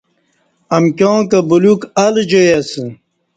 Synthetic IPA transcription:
ɐmkʲjõːkɐbulukɐld͡ʑojɐsə

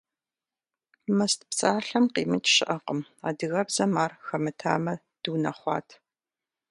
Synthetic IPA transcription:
mɐstpt͡sʼaːɬɐmqiːmɨt͡ʃʼʃɪʔɐqəma̰ːdɨɣɐbzɐmaːrxɐmɨtʰa̰ːmɐ | d̥uːnɐχʷɑ̰ːtʰ

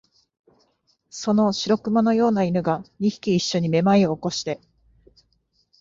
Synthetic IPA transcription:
so̞no̞ɕiɾo̞kɯ̟mano̞jo̞ːnainɯ̟ɡaɲʲiçi̥kʲiːɕːo̞ɲ̟ime̞maioːko̞ɕi̥t̪e̞

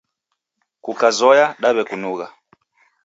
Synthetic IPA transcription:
kukazɔjaɗaβɛkunuɣa

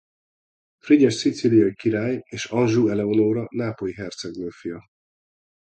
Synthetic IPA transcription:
friɟɛʃsit̪silijɒjikiɾaːjeːʃɒnʒuːɛlɛonoːɾɒnaːpo̞jiɦɛrt̪sɛɡløːfijɒ

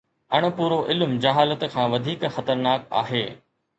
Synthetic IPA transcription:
ɐɽ̃̆puːɾoʔɪlmd͡ʑɐɦaːlət̪kʰãːʋɐd̪ʱiːkxɐt̪əɾnaːk̚a̰ːɦeː

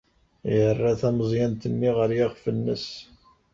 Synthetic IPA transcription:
jərːaθæməzˤjænt̪əmːiʁəɾjaʁfənːəs

